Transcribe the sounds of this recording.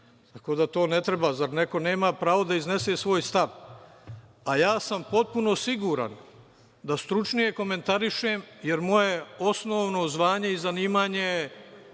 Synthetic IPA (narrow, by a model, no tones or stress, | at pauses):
t̪ako̞ːd̪at̪o̞ːne̞t̪ɾebaːzaɾneko̞neːmapɾaːʋo̞d̪aizne̞se̞ːsʋo̞ːjst̪aʋ | ajaːsampo̞t̪̚punosiɡuːɾa̰n | d̪ast̪ɾut͡ʃnije̞ko̞me̞nt̪aɾiʃeːmjeɾmo̞je̞o̞sno̞ːʋno̞zʋaːɲe̞izaniːmaːɲe̞